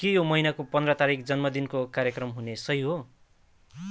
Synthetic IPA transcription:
kejomʌinakopʌnd̪rʌt̪aɾik̚d͡zʌnmʌd̪inkokaɾjʌkrʌmɦunesʌjɦo

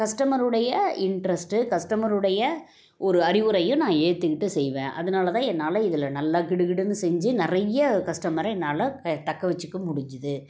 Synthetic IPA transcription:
kɐʂʈɐmɐɾɯɽɐjɐɪɳʈɾɐsʈɯkɐʂʈɐmɐɾɯɽɐjɐ | ʔɔɾɯɐɾɪʋɯɾɐjʊ̃nãːeːt̪ːɯkɪʈːɯsɛjʋẽːʔɐ̰ðɐnaːlɐt̪ãːɛnːaːlɐɪðɯlːɐnɐlːaːkɪɽɯɣɪɽɯnːɯsɛɲd͡ʒɯnɪrɐjɐkɐʂʈɐmɐɾɛnːaːlɐɐt̪ɐkːɐʋɛt͡ʃːɯkːɯmʊɽɪɲd͡ʒɪðɯ

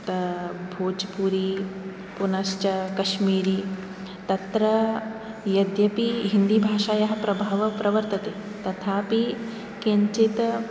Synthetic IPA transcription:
t̪bʱoːd͡ʒpuɾi | punɐʃt͡ʃɐkɐʃmiːɾi | t̪ɐt̪ɾɐ | jɐd̪jɐpiɦind̪ibʱaːʂaːjɐɦɐ̆pɾɐbʱaːʋɐpɾɐʋɐɾt̪ɐt̪e | t̪ɐt̪ʰaːpi | kiɲt͡ʃit̪

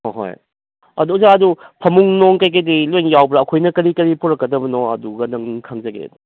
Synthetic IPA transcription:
hoɦo̰j | ɐduzaɐdupʰɐmuŋnoŋkajk̬ɐjdilojŋjawbɾaːɐkʰojnɐkɐɾikɐɾipʰoɾɐkːɐdɐbɐnoɐ̰duɡɐnɐŋkʰaŋzɐɡḛd

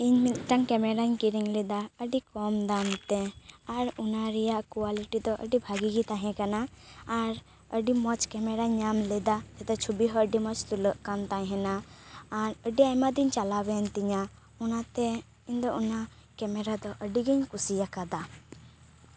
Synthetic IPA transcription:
iɲmit̪ʈaŋkɛmɛɾaɲkiɾiŋlɛd̪aəɖikɔmd̪amt̪ɛaɾunaɾɛjaʔkuwaliʈid̪ɔʔə̰ɖibʱaɡiɡit̪ãɦɛ̃kanaː | ɾ | əɖimɔt͡ʃkɛmɛɾaɲamlɛd̪ad͡ʒɛt̪ɛt͡ʃʰubiɦɔəɖimɔt͡ʃt̪uləʔkant̪ãɲɦɛnaː | ɾəɖiajmad̪iɲt͡ʃalabɛnt̪iɲa | ɔnat̪ɛ | iɲd̪ɔuna | kɛmɛɾad̪ɔʔəɖiɡiɲkusijakad̪a

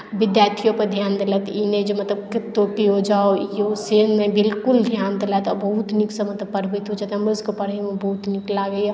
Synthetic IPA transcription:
bid̪jaɾt̪ʰijopəɾd̪ʱjand̪elɛt̪ined͡ʒemət̪ləbket̪ːopiɦod͡ʒaoiosenmebilkuld̪ʱjand̪elɛt̪ɔbəɦut̪niksəmət̪ləbpəɽbəjt̪ɦod͡ʒat̪ɦɐmɾəzkepəɽəjmebəɦut̪niklaɡej

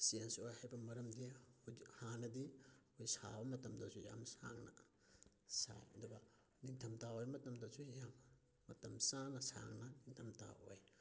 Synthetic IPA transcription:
siensojhajbɐmɐɾɐmdihanɐdiojsa̰bɐmɐtɐmdɐsuja̰msa̰ŋnɐ̰ | sa̰jɐ̰duɡa | niŋtʰɐmtaojmɐtɐmdɐzujamː | ɐtɐmsanɐsa̰ŋnɐniŋtʰɐmta̰o̰j

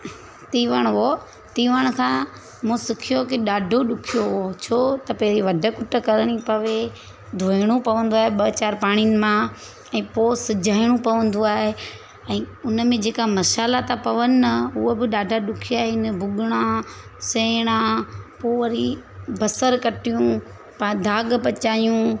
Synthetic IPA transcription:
t̪iːʋəɽ̃ʋoː | t̪iːʋəɽ̃kʰãː | mũsɪkʰijokiɗaːɖʱoɗʊkʰijoɦot͡ɕʰoːt̪ɐpɐɦɾiʋɐɖʱə̆kʊʈəkɐɾəɽ̃ipɐʋe | d̪ʱoːɪɽ̃ũpɐʋə̃n̆d̪oaːɦeɓɐt͡ɕaːɾpaːɽ̃ijnɪ̆mã | ɛ̃ːpoːsɪd͡ʑʱaːɪɽ̃ũpɐʋə̃nd̪oaːɦe | ɛ̃ːʊnmẽd͡ʑeːkamɐʃaːlat̪apɐʋənɪɐʊɦobɪɗaːɖʱaɗʊkʰijaːɦeɪnəbʱʊɠɪɽ̃ãsɛːɽ̃ãpoːʋɐɾibɐsəɾkɐʈijũ | pad̪ʱaːɠpɐt͡ɕaːjũ

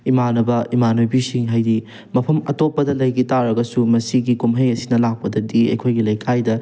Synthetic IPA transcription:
imanɐbɐimanojbisiŋɦajdi | mɐpʰɐmɐtopːɐdɐlɐjɡitaɾɐɡɐsumɐsiɡikomɦɐjɐsinɐlak̚pɐdɐdiɐ̰jkʰojɡilɐjkʰajdɐ

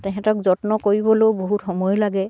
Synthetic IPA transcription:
tɛkʰɛ̃tɔkzɔtnɔkoɹibɔlojboɦutxɔmɔjɔlaɡɛ

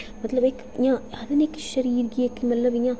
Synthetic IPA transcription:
mɐt̪lɐbek | jãːɐd̪ɐneːkʃɐɾiːɾɡiekːmɐt̪lɐbjãː

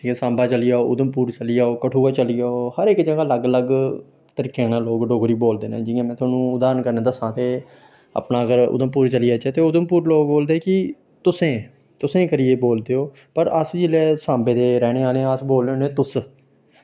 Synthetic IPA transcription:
ʈʰiːkeːsãːmbaːt͡ʃəlijaːoːʊd̪əmpuːɾt͡ʃəliːaːoːkəʈʰuːaːt͡ʃəlijaːoːhəɾɪkd͡ʒãːɡaːləɡləɡ | t̪əɾiːkeaːnãːloːɡɖoːɡɾiːboːld̪eːnḛ̃ːd͡ʒɪãːmɛ̃ːt̪ʰaːnũːʊd̪aːɾənkəɾnẽːd̪əsãːt̪eː | ə̰pnaːəɡəɾʊ̰d̪əmpuːɾt͡ʃəliaːt͡ʃɛːt̪eːʊd̪əmpuːɾloːɡboːld̪eːkɪ | t̪ʊsẽː | t̪ʊsẽːkəɾɪjeːboːld̪eːoː | pəɾəsd͡ʒɪleːsãːmbeːd̪eːɾɛːɽ̃eːaːlẽːəsboːleoːnẽːt̪ʊs

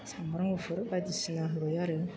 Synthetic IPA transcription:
sãmbaɾãofoɾobadisinãɦlojaɾe

